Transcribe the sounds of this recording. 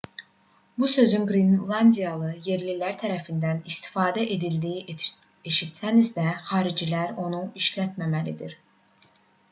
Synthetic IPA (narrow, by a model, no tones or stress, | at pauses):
busø̞zynɡɾinlˠɑnd̪ijɑlˠɯje̞ɾlilæɾt̪ʰæɾæfind̪ænist̪i̥fɑːd̪æʔe̞d̪ild̪iji | eʃit̪sænizd̪æχɑːɾid͡ʒilæɾo̞nuiʃlæt̪mæmælid̪iɾ